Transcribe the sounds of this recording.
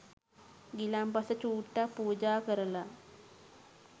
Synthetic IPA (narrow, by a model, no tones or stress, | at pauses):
ɡilambɐsɐt͡ɕuːʈːapuːd͡ʑaːkɐɾɐla